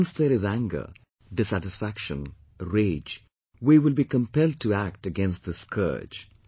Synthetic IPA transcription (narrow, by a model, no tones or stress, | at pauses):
nsðəɾɪzæ̃ŋɡə̰˞ | ɖɪsæʈɪsfækʃə̃n | ɹeːd͡ʒ | wiwɪlbikə̃mpɛld̚tʰuæk̚ʈəɡɛ̃nst̚ðəskʰɜ̰̥˞d͡ʒ